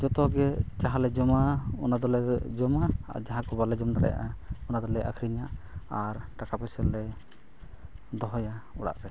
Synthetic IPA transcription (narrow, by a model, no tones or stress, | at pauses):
d͡ʒɔt̪ɔɡɛd͡ʒaɦalɛd͡ʒɔmaɔnad̪ɔlɛd͡ʒɔma̰d͡ʒaɦãkɔbalɛd͡ʒɔmd̪aɾɛ̰ja̰ʔaɔnad̪ɔlɛʔa̰kʰɾiɲaʔaɾʈakapɔsɛlːɛ | d̪ɔɦɔjauɽa̰ʔɾɛ